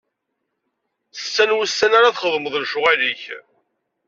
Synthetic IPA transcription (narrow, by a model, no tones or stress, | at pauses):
sːænwəsːænaɾaðχəðˤməðˤlʃʊʁæliç